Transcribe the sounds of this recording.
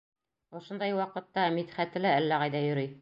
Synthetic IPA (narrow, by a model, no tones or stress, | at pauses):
ŏʃŏnd̪ɑjwɑqɤ̆t̪ːɑmit̪χæt̪ɘ̆læælːæʁɑjðɑjɵ̆ɾɘj